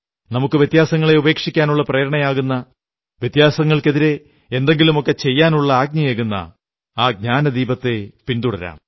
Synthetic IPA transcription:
nɐmukːɨʋjet̪jaːsɐŋːɐɭe̞ube̞ːkʂikʲːaːnuɭːɐpreːɾɐɳɐjaːɣunːɐ | ʋjet̪jaːsɐŋːɐɭke̞ðiɾe̞ | end̪e̞ŋɡilumo̞kːe̞t͡ɕe̞jːaːnuɭːɐaːɡ̚ɲɐjekːunːɐ̰ | aːɡ̚ɲaːnɐd̪iːbɐt̪ːe̞pind̪uɽɐ̰ɾa̰ːm

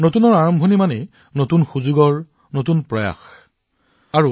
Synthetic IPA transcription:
notunɔɹaɹɔmbʱonimanɛ | notunxuzuɡɔɹ | notunpɹɔja̰x | aɹu

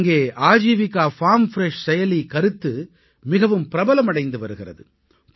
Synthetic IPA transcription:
ŋɡeːʔaːd͡ʒiːʋɪkːaːfaːmfɪɾɛʂsɛjɐlikɐɾɯt̪ːɯ | mɪɣɐʋɯmpɪɾɐbɐlɐmɐɽɐɪnd̪ɯʋɐɾɯɣɪrɐ̰ðɯ̰

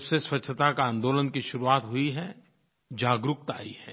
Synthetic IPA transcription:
seswɐt͡ʃːʰət̪akãːnd̪oːlənkiʃʊɾuaːt̪ɦʊiɦɛ | d͡ʒaːɡɾʊk̚t̪aːiɦɛː

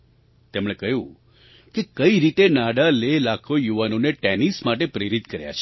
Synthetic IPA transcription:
t̪emɽ̃ekəjũ | kekəiɾit̪enaɽalelakʰojuʋanoneʈɛnismaʈepɾeɾit̪kəɾja̰t͡ʃʰe

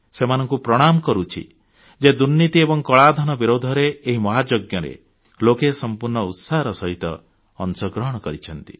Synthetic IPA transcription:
semanɔŋkupɾɔɽ̃amkɔɾut͡ʃʰḭ | d͡ʒed̪uɾnit̪iebɔŋkɔɭad̪ʱɔñɔbiɾod̪ʱɔɾeːɦimɔɦad͡ʒoɡjɔɾḛ | lokesɔmpuɾɳɔut̪saɦɔɾɔsɔɦit̪ɔ̰ː | nsɔɡɾɔɦɔɽ̃ɔkɔɾit͡ʃʰɔn̪t̪i̥

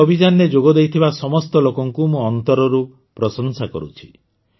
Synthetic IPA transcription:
ɔbʱid͡ʒanːed͡ʒoɡɔd̪ejt̪ʰibasɔmɔst̪ɔlokɔŋkumuɔnt̪ɔɾɔɾu | pɾɔsɔnsakɔ̰ɾṵt͡ʃʰi̥

